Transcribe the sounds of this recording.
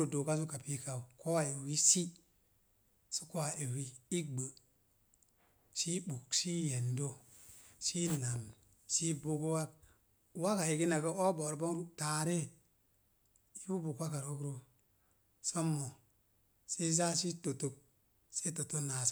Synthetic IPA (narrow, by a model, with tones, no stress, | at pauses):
o˦do˨ka˦s̬u˦ka˨pi˦ka˦˨u˨ko˦wa˨e˨wi˦si˦ | su̥˦ko˦wa˨ʔe˨wi˦i˦ɡ͡bə˨ | si˦bu˨ksi˦je˨ndo˦ | si˦na˨m | si˦bu˦ku˦wa˦k̚ | wa˦ka˨ji˨ki˦na˨ka˦o˦bo˨ɾbo˦ŋta˨ɾe˦ | ji˦bu˦bu˨ka˦ka˨ɾo˦kɾo˦ | so˦mːo˨ | si˦za˦si˦to˨to˦k̚ | si˦to˨to˦na˨s